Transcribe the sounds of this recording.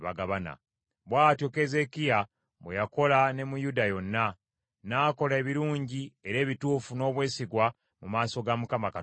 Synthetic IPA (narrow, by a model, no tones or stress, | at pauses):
βa̰ɡaβana̰ | βwaːtjo̞ke̞ze̞kija | βwḛjako̞lane̞mujudajo̞nːa | naːko̞lae̞βiɾuːɲɟie̞ɾe̞ːβituːfuno̞ːβwe̞ːsiɡwa | mumaːso̞ɡamukamaka